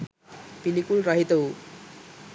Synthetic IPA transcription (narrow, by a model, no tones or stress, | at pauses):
pilikulrʌɦit̪ou